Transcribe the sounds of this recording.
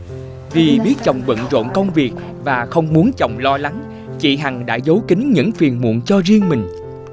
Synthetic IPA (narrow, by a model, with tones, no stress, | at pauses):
vi˨˩ɓi˦˥ət̚t͡ɕɔ˨˩wŋ͡mɓə̰˧˨nzo̰˧˨nkə˧wŋ͡mvi˨˩ək̚ | vaː˨˩xə˧wŋ͡mmu˨˦ənt͡ɕɔ̰˨˩wŋ͡mlɔ˧la˨˦ŋ | t͡ɕḭ˧˨ɦa˨˩ŋɗa̰ː˧˥zə˨˦wkï˨˦ŋɲɨ̰˧˥ŋfi˨˩ənmṵ˧˨ənt͡ɕɔ˧zi˧əŋmï˨˩ŋ̟